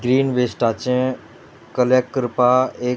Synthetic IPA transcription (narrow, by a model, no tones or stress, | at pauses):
ɡɾiːnʋesʈat͡ʃẽ | kəlekːɾpaeː